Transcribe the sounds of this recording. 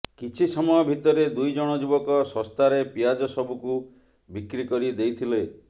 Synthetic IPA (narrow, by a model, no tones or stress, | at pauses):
kit͡ʃʰisɔmɔjɔbʱit̪ɔɾed̪ujd͡ʒɔɽ̃ɔd͡ʒubɔkɔsɔ̃st̪ʰaɾepiad͡ʒɔsɔbuku | bikɾikɔɾid̪ejt̪ʰile